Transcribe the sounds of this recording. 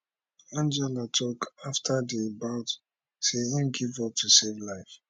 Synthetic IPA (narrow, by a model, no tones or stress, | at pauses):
ãnd͡ʒɛlatʰɔkaftʰadebaʊt | seĩnɡivɔp̚tʰusevlaɪf